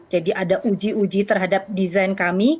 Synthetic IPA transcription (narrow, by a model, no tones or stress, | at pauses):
d͡ʒadiʔadaʔud͡ʒiud͡ʒit̪ərɦadap̚dizajnkami